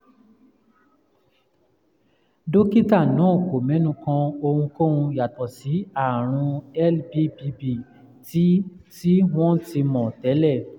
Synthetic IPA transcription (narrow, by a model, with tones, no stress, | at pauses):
do˦ki˦ta˦˨nãː˨˦˨ko˨mɛ̃˨˦nũ˧kã˧o˧hũ˧ko˦˨wũ˧ja˨tɔ˨si˨˦a˦˨ɾ̃ũ˧ɛ˦lbi˦bi˧bi˦˨ | ti˦ti˦w̃ɔ̃˦ti˧mɔ̃˨tɛ˨˦lɛ˦˨